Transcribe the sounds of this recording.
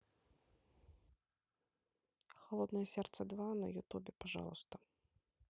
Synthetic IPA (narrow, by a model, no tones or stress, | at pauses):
xalˠɔd̪nɐjɛsʲɛrt̪sɛd̪vanɐ̰jut̪ubʲɛpaʐa̰lˠust̪ɐ